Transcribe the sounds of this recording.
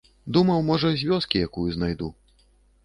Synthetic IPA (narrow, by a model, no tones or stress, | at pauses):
d̪umɐwmɔʐɐzʲvʲɔskʲijakujuznajd̪u